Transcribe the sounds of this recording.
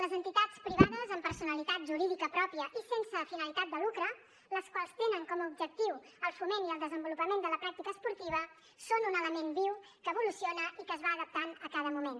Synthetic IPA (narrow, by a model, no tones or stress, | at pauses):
ləzənt̪it̪at͡spɾiβaðəzəmpəɾsunəlit̪at̪̚ʒuɾiðikəpɾɔpiəʔisensəfinəlit̪at̪̚d̪əlukɾə | ləskwalˠst̪enəŋkɔməubʒək̚t̪iw | əlˠfumeniəlˠd̪əzəmbulupəmend̪ələpɾak̚t̪ikəːspuɾt̪iβ̞ə | sonunələmenbiw | kəːβulusionəʔikəːzβaːðəp̚t̪anəkað̞əmumen